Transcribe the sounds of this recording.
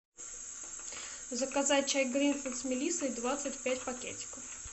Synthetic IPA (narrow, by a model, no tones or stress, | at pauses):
zəkɐzat̚ʲt͡ɕajʲɡɾʲinfənt̪smʲɪlʲit̪sɨjd̪vat̪sɨtʲpʲætʲpɐkʲḛtʲɪ̥kəf